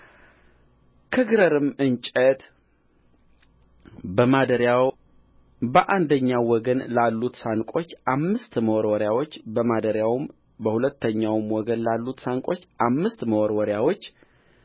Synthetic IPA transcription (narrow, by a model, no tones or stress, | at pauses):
kʰəɡɨɾəɾɨmɨnt͡ʃʼət̪ | bəmad̪əɾja | bəʔand̪əɲːawɔɡənlalːut̪saŋkʼo̞t͡ʃːʔamːɨst̪məwɔɾwɔɾjawo̞t͡ʃːbəmad̪əɾjawɨm | bəhulət̪ːəɲːawmwɔɡənlalːut̪saŋkʼo̞t͡ʃːʔamːɨst̪məwɔɾwɔɾjawo̞t͡ʃː